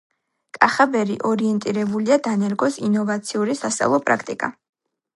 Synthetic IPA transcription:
kʼaχabɛɾḭʔɔɾiɛnt̪ʼiɾɛbuliad̪anɛɾɡɔsinɔvat̪sʰiuɾisast̪sʼa̰lˠɔpʼɾa̰kʰt̪ʼḭkʼa̰

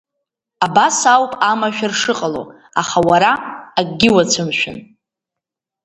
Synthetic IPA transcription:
abasawpʼamaʃᶣɪrʂɨqʼalo̰ | aχawaɾaaɡʼɡʲɪwat͡sʷʰɨmʃᶣɪ̰n

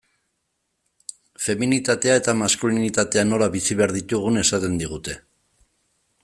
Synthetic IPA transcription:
fe̞minit̪at̪e̞ae̞t̪amaskulinit̪at̪e̞ano̞laβisiβeaɾðit̪uɣ̞une̞sat̪e̞nd̪iɣ̞ut̪e̞

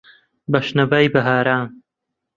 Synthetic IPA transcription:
bɐʃnɐvajbɐɦaːɾaːn

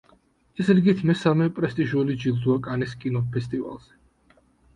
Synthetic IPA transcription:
ɛsɾiɡit̪ʰmɛsamɛpʼɾɛst̪ʼiʒulid͡ʒild̪uakʼaniskʼinɔpʰɛst̪ʼiva̰lˠz̥ɛ

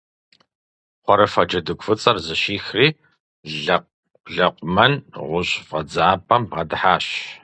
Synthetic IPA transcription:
qʷɔɾɐfɐd͡ʒɐdɨkʷʰʼfɨt͡sʼɐrzɨɕiːxriː | ɮɐ | ɮɐqʷʼʊmɐnʁʷʊɕʼfɐd͡zaaːpʰʼɐmbʁɐdħaːɕ

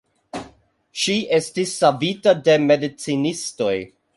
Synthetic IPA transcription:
ʃie̞stisːabitade̞me̞dit͡sinisto̞j

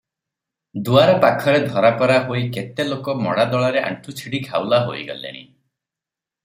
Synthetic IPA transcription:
d̪uaɾɔpakʰɔɾed̪ʱɔɾakɔɾaɦoiket̪elokɔmɔ̰ɽad̪ɔɭaɾeʔa̰ɳʈʰut͡ʃʰiɽikʰawlaɦo̰iɡɔ̰lḛɽ̃ḭ

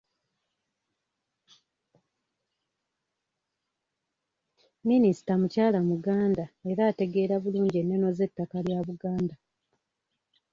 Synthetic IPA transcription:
minisi̥tamucaːlamuɡaːndae̞ɾaːte̞ɡe̞ːɾaβuluːɲɟie̞nːe̞no̞ze̞tːakaljaβuɡaːnda

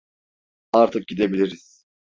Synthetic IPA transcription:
aɾt̪ʰɯk̚ɟid̪e̞bilʲiɾiz̥

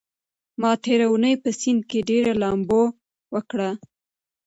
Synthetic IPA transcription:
mɑt̪eɾawunəjpəsɪnd̪̚keɖeɾalɑmbo | wəkɽa

